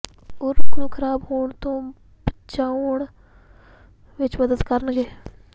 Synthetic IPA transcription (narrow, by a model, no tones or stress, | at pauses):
ʊɾɡɾuːkʰəɾaːbɦoːɳt̪õː | bət͡ʃaːʊɳ | ʋɪt͡ʃməd̪əd̪kəɾnɡeː